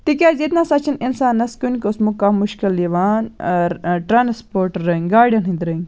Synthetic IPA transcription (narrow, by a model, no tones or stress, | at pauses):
t̪ik̬ʲaːzet̪naːsɐt͡ʃʰininsaːnːɐskʲunʲkosmukamːuʃkilːiʋaːnɾʈɾaːnspoːɾʈɾəŋɡaːɾɖʲɐnɦĩnd̪ɾɨŋ